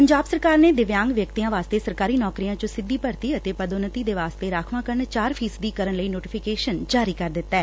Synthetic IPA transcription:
pəɲd͡ʒaːbsəɾkaːɾneːd̪ɪʋjãːŋɡʋjəkt̪ijãːʋaːst̪eːsəɾkaːɾiːnɔːkɾijãːt͡ʃõsɪd̪ːiːpəɾt̪iːət̪eːpəd̪onət̪iːd̪eːʋaːst̪eːɾaːkʰʋãːkəɾəɳt͡ʃaːɾpʰiːsd̪iːkəɾənləiːnoːʈɪpʰɪkeːʃənd͡ʒaːɾiːkəɾd̪ɪt̪ːɛː

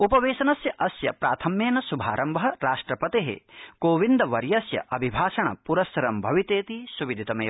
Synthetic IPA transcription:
upɐʋeːʃɐnɐsjɐʔɐsjɐ̰pɾa̰ːt̪ʰɐmjeːnɐsubʱa̰ːɾɐmbɐɦɐɾaːʂʈɾɐpɐt̪eɦḛkoːʋind̪ɐʋɐɾjɐsjɐ̰ʔɐbʱibʱaːʃɐɳɐ̰puɾɐsɐɾɐmbʱɐʋit̪eːt̪isuʋid̪ʱit̪ɐmḛː

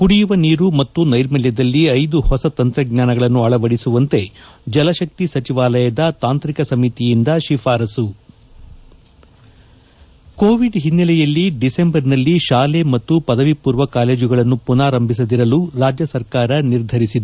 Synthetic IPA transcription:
kuɽijuʋɐniːɾumɐt̪ːunɐjɾmɛljɐd̪ɐlːiɐjd̪uhɔsɐt̪ɐnt̪ɾɐɡɲaːnɐɡɐɭɐnːuɐɭɐʋɐɽisuʋɐnt̪e̞d͡ʒɐlɐʃɐk̚t̪isɐt͡ʃiʋaːlɐjɐd̪ɐt̪aːnt̪ɾikɐsɐmit̪ijind̪ɐʃifaːɾɐsu | koːʋiɖɦinːɐlɛjɐlːiɖise̞mbɐɾnɐlːiʃaːle̞mɐt̪ːupɐd̪ɐʋipuːɾʋɐkaːle̞ːd͡ʒuɡɐɭɐnːupunaːɾɐmbʱis̬ɐd̪iɾɐluɾaːd͡ʒjɐsɐɾkaːɾɐniɾd̪ʱɐɾisid̪u

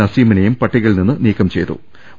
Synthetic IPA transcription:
ɐsiːmɐnɐjumpɐʈːiɣɐɭninːɨniːkːɐmt͡ɕe̞jt̪ːṵ

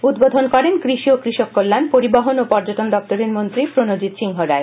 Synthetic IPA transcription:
ud̪bod̪ʱonkɔɾenkɾiʃiokɾiʃokːolːanpoɾibaɦonopɔɾd͡ʑoʈond̪ɔk̚t̪oɾeɾmont̪ɾipɾonod͡ʑit̪ʃiŋɦoɾae

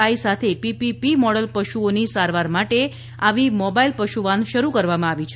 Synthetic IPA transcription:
aisat̪ʰepipipimɔɽəlpəʃuonisaɾʋaɾmaʈe | aʋimɔbailpəʃuʋanʃəɾukəɾʋamãaʋit͡ʃʰ

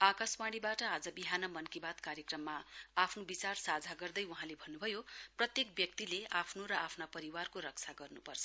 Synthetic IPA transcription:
akaswaɽ̃ibaʈʌad͡zʌbiɦanʌmʌnkibat̪kaɾjekrʌmːaapʰnobit͡sarsad͡zʱaɡʌrd̪ʌjwuɦãlebʱʌnːubʱʌjoprʌt̪jek̚bjʌk̚t̪ileapʰnoɾʌapʰnapʌɾiwarkoɾʌk̚t͡sʰaɡʌrnupʌrt͡sʰʌ̥

